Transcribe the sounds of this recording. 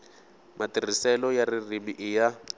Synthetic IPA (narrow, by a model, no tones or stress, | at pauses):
matir̤isɛlɔjaririmiʔɪja